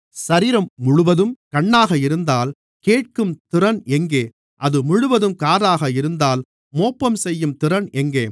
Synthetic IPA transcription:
sɐɾiːɾɐmːʊɻʊʋɐðɯmkɐɳːaːɣɐɪɾɯnd̪aːl | keːʈ̚kɯmt̪ɪɾɐnɛŋɡeː | ʔɐðɯmʊɻʊʋɐðɯmkaːɾaːɣɐɪɾɯnd̪aːl | moːpːɐmsɛjːɯmt̪ɪɾɐnʔɛŋɡeː

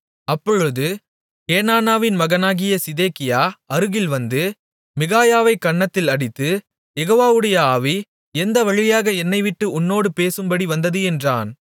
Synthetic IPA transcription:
ɐpːɔɻɯðɯ | keːnaːnaːʋɪnmɐɣɐnaːɣɪjɐsɪðeːkɪjaːʔɐɾɯɣɪlʋɐnd̪ɯ | mɪɣaːjaːʋɐɪkːɐɳːɐt̪ːɪlɐɽɪt̪ːɯ | jɛɣoːʋaːʋɯɽɐjɐaːʋi | ɛnd̪ɐʋɐɻɪjaːɣɐɛnːɐɪʋɪʈːɯʊnːoːɽɯpeːsɯmbɐɽiʋɐnd̪ɐðɯɛndraːn

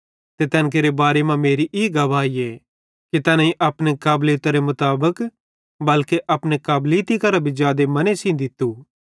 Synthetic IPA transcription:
t̪et̪ɛ̃ːnk̬eːɾebaːɾemãmeːɾiʔiːɡɐʋaːie | kit̪ɛːnãĩʔɐpnekaːbliːt̪aɾemʊt̪aːbək | bɐlkeʔɐpnekaːbliːt̪ikɐɾabʱizjaːd̪emɐnesĩd̪ɪt̪ːu

